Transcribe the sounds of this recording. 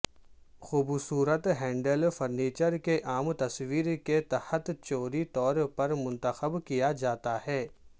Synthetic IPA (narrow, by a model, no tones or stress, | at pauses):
xuːbsuːɾət̪ɦɛ̃ːɳɖəlfɐɾniːt͡ʃəɾkeʔaːmt̪ɐsʋiːɾket̪ɐhət̪t͡ʃoːɾit̪ɔːɾpɐɾmʊ̃nt̪əxəbkijad͡ʒaːt̪ahɛː